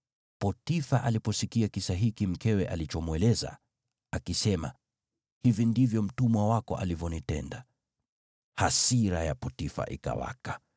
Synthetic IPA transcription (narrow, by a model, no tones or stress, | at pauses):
pɔtifaʔalipɔsikiakisaɦikim̩kɛwɛʔalit͡ʃɔmwɛlɛza̰ | akisɛma̰ | hivindivjɔm̩tumwawakɔʔa̰livjɔnitɛnda | hasiɾajapɔtifa̰ʔḭka̰wa̰kḁ